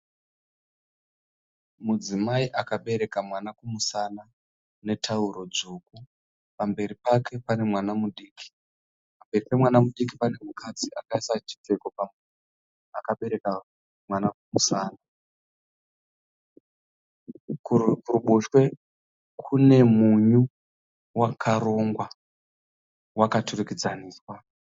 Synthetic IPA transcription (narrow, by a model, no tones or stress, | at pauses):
mud͡zimaiʔakaɓe̞ɾe̞kamwanakumusana | ne̞tʰauɾo̞d͡zuku | pambe̞ɾipakʰe̞pane̞mwanamuɗiːkʰi̥ | pambe̞ripe̞mwanamuɗikipane̞mukʰad͡ziʔakaisat͡ʃi̥te̞ko̞pame | akaɓe̞ɾe̞ka | mwanakumusaːna | kukuruɓuʃwe̞ | kʰune̞muɲu | wakʰaɾo̞ŋɡwa | wakaturukid͡zaniːswa